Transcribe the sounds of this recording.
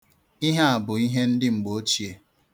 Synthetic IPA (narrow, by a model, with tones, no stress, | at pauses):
i˦ɦa˦a˨bʊ˨i˦ɦe˦n̩˦dɪ˦ŋ͡m̩˨ɡ͡bo˨˦t͡ʃi˨e˦